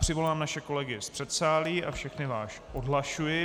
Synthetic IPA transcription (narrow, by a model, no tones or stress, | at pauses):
r̝̥ɪvo̞laːmnaʃɛko̞lɛɡɪspr̥ɛt̪saːliːʔafʃɛxnɪvaːʃʔodɦlaʃujɪ